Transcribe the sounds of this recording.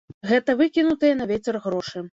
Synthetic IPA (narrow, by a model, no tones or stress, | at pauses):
ɣɛt̪ɐvɨkʲinut̪ɨjɛnɐvʲɛt͡sʲɛrɣɾɔʂɨ